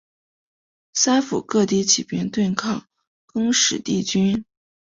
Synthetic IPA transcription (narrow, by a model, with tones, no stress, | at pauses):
sa˥ɪfu˨˩kɤ˥˧t̪i˥˧t͡ɕʰi˨˩pjɛ˥nt̪wɛ˥˧nkʰɑ˥˩ŋ | kɤ˥ŋʂɻ̩˨˩t̪i˥˩t͡ɕy˥n